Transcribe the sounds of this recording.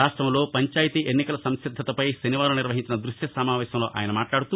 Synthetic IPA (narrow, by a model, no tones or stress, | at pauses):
aːʂʈɾɐmlo̞ːpɐɲt͡ʃaːjɐt̪iʔenːikɐlɐsɐmʃid̪ʱːɐt̪ɐpɐjsiniʋaːɾuniɾʋɐɦiɲt͡ʃinɐd̪ɾuʃjɐsɐmaːʋɛːɕɐmlo̞ːʔa̰ːjɐnɐmaːʈlaːɽut̪u